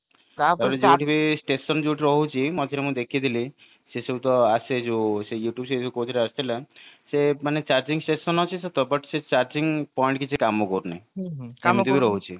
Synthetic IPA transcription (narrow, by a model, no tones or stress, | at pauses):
aɾed͡ʒewʈibisʈesɔnd͡ʒeuʈiɾɔɦut͡ʃʰimɔd͡ʒ̪eɾemũd̪ekʰid̪ʱili | seseut̪ɔased͡ʒosejuʈjubseekot̪ʰiɾeast̪ʰilesemanet͡ʃaɾd͡ʒiŋsʈesɔnɔt͡ʃʰiset̪ɔbəʈset͡ʃaɾd͡ʒiŋɡpɔjɳʈkit͡ʃʰikamokɔɾunãkamt̪ibiɾɔɦut͡ʃʰi